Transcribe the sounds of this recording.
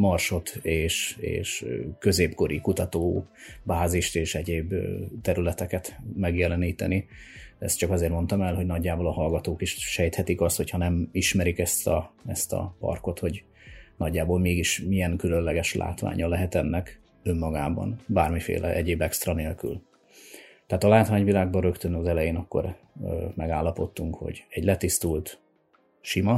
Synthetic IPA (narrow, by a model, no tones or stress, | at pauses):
mɒrʃo̞t̪eːʃḛːʃkø̞zeːpko̞ɾikut̪ɒt̪oːbaːziʃt̪eːʃɛɟeːbt̪ɛɾylɛt̪ɛkɛt̪mɛɡjɛlɛniːt̪ɛni | ɛ̰st̪t͡ʃɒkɒzeːrmo̞nt̪ɒmɛlɦo̞ɟnɒɟːaːboːlɒhɒlɡɒt̪oːkiʃʃɛjt̪hɛt̪ikɒst̪ho̞chɒnɛmiʃmɛɾikɛst̪ɒɛst̪ɒ̰pɒ̰rko̞t̪ho̞ɟ | nɒɟːaːboːlmeːɡiʃmiɛŋkylø̞nlɛɡɛʃlʔa̰ːt̪ʋa̰ːɲʔɒlɛɦɛt̪ɛnːɛk | ømːɒɡaːbɒ̰nbaːrmifḛːlʔɛ̰ʔɛɟeːbɛkst̪rɒneːlky̰l | t̪ɛaːt̪ɒlaːt̪ʋaːɲvilaːɡbɒɾø̞kt̪ønɒzɛlɛjeːnɒkːo̞̰r | mɛɡaːlːɒpo̞t̪ːuŋkho̞̰ɟɛɟlɛt̪ist̪ult̪ | ʃimɒ